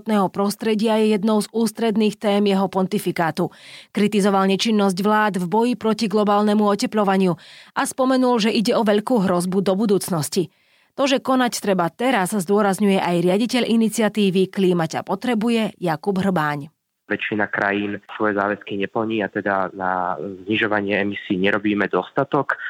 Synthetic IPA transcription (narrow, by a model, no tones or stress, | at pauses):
t̪nɛːɦɔpɾɔst̪ɾɛɟɪajɛjɛd̪nɔʊzuːst̪ɾɛd̪niːxt̪ɛːmjɛɦɔpɔnt̪ifikaːt̪ukɾit̪izɔʋalɲɛt͡ʃinːɔzɟʋlaːd̪vbɔjipɾɔciɡlɔbaːlnɛmuɔcɛplɔʋaɲɪuʔaspɔmɛnulʒɛʔiɟɛɔʋɛʎkuːɦɾɔzbud̪ɔbud̪uːt͡snɔsci | t̪ɔʒɛkɔnact̪ɾɛbat̪ɛɾazzd̪ʊɔɾazɲujɛʔajɾɪaɟicɛʎʔinit͡sɪat̪iːʋikliːmaca̰pɔt̪ɾɛbujɛjakubɦr̩baːɲ | ʋɛt͡ʃinakɾa̰jiːnsʋɔjɛzaːʋɛskiɲɛpl̩ɲiːat̪ɛd̪ana̰zɲiʒɔʋaɲɪɛɛmisiːɲɛɾɔbiːmɛd̪ɔst̪at̪ɔk